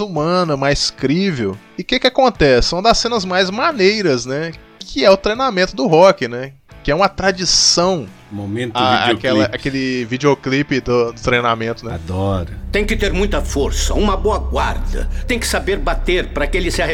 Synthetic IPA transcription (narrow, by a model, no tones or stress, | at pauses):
umɐ̃nɐmajskɾivew | ɪkekɪakõnt̪ɛsɪ̃mɐd̪ɐsẽnɐzmajzmanejɾɐznɛ | kʰɪɛʊt̪ɾejnamẽt̪ʊd̪ʊɦɔkɪnɛ | kɪɛũmɐt̪ɾad͡ʒisɐ̃w̃ | momẽnt̪aiakɛlɐʔakelɪvid͡ʒioklipɪd̪ʊd̪ʊt̪ɾejnamẽnt̪ʊnɛa̰d̪ɔɾɐt̪ẽj̃kɪt̪eɾmũj̃t̪ɐfoɾsɐũmɐboɐɡwaɾd̪ɐ̰t̪ẽj̃kɪ̥sabeɾbat̪eɾpɾɐkɪelɪsɪahe